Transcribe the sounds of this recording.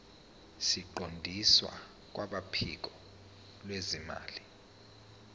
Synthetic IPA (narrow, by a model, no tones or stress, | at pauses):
siǃondʱiswa̰ | k̬waɓapʰḭk̬ɔ | lwezima̰ːli